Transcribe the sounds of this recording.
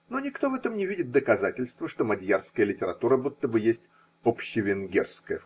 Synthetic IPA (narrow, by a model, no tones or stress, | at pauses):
no̞nʲɪkt̪o̞vɛt̪əmnʲɪvʲidʲɪt̪̚d̪əkɐzatʲɪlʲst̪vəʂt̪o̞mɐd̪ʲjarskəjəlʲɪtʲɪɾɐt̪uɾəbut̪ːəbɨjesʲtʲ | opɕːɪvʲɪnɡʲḛrskəjə